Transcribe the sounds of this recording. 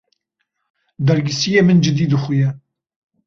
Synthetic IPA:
d̪ɛɾɡɪsijeːmɨnd͡ʒɪd̪iːd̪ɨχʷujɛ

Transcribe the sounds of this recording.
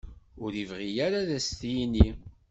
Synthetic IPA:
ʊɾivʁijaɾaðæst̪jini

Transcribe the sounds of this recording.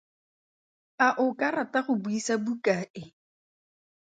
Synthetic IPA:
aʔʊkʼaɾatʼaχʊbuisabukʼaːʔɪ

